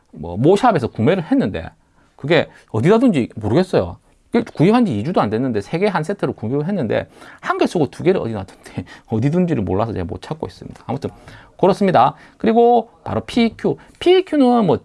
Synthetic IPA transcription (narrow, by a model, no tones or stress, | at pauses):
mwʌ̰moɕʰabe̞sʰʌkume̞ɾɯɭhe̞nːɯnde̞̰ | kɯɡe̞ | ʌdinadɯnd͡ʑimoɾɯɡe̞ts͈ʌjo̰ | kekuipɦand͡ʑiːd͡ʑudoandwe̞nːɯnde̞sʰe̞ɡe̞ɦans̬ʰe̞tʰɯɾokumeɾɯɭɦe̞nːɯnde̞̰hanɡes͈ʰoɡotuɡe̞ɾɯɭʌ̰dinadund̥eʌdidund͡ʑiɾɯɭmo̰ɭːasʰʌt͡ɕemwo̰t͡ɕʰak͈ois͈ɯmɲḭd̥a̰ːmutʰɯn | kɯɾʌs͈ɯmɲida | kɯɾiɡopa̰ɾopʰikʰju | pʰiːkʰjunɯnmwʌ